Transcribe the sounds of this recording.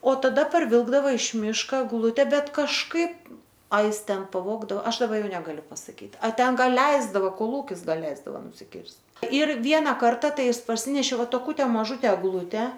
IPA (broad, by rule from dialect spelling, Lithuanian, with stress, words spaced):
oː tɐˈdɐ pɐrʲˈʋʲɪlˠɡdɐʋɐ ɪʃ ˈmʲɪʃkoː ɛɡˈlˠʊtʲɛ ˈbʲɛt kɐʃˈkɐɪp ɐ ˈɪs ˈtʲɛn pɐˈʋoːɡdɐoː ˈɐʃ dɐˈbɐ ˈjɛʊ nʲɛɡɐˈlʲʊ pɐsɐˈkʲiːt ˈɐ ˈtʲɛn ˈɡɐlˠ ˈlʲɛɪzdɐʋoː koːˈlˠuːkʲɪs ˈɡɐlˠ ˈlʲɛɪzdɐʋɐ nʊsʲɪˈkʲɪrʲsʲtʲ ɪr ˈʋʲiɛnɐ ˈkɐrtɐ ˈtɐɪ ˈjɪs pɐrʲˈsʲɪnʲɛʃʲeː ˈʋɐ toːˈkʊtʲɛ mɐˈʒʊtʲɛ ɛɡˈlˠʊtʲɛ